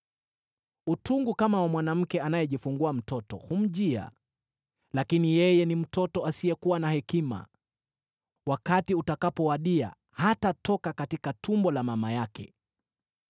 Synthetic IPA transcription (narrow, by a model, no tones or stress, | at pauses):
utuŋɡukamawamwanam̩kɛanajɛʄifuŋɡuam̩tɔtɔ̰hum̩ʄia̰ | lakinijɛjɛnim̩tɔtɔasiɛkuwanahɛkima̰ | wakatiutakapɔwaɗia̰ | hatatɔkakatikatʰumbɔlamamajakɛ̰